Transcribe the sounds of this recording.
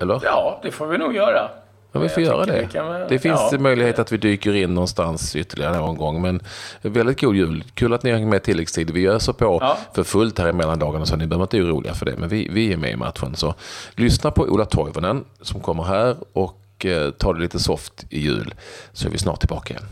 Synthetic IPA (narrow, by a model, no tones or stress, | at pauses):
ɛlːəɾd̪̥ɛfoːɾvɪnuːɡjœːɾa | mɛnvɪfoːɾjœ̰ːɾad̪ɛd̪ɛfɪnssɛmœjlɪɡheːt̪at̪vɪd̪yːkəɾɪnːɔnst̪ansʏt̪ːəɾɭɪɡaɾənoːɡɔnɡɔŋːmɛnvɛld̪ɪt̪̚ɡuːd̪jʉ̟ːlkʰʉ̟ːlat̪nɪhaɾhɛŋt̪mɛt̪ʰɪlːɛkst̪ʰiːd̪vɪjœːʂəpʰɔfœɾfɵlt̪hæːɾɪmɛlːand̪ɑːɡanasɔanɪbəœhœvənɪt̪ɪɾuːlɪ̰ɡa̰fœɖɛ̰mʔɛnvɪvɪjɪːɾmɛ̰ɪ̰mʔa̰t̪ɧə̰nsɔlʏsnapʰɔʔṵːlat̪ʰɔjvənənsɔmkʰɔmːəɾɦæːɾɔk | t̪ʰɑːɖɛliːt̪əsɔft̪ɪjʉ̟̰ːlsɔæ̰ɾvɪ̰snɑ̰ːʈ̪̚ʰːɪlbɑ̰ːkaɪjɛ̰n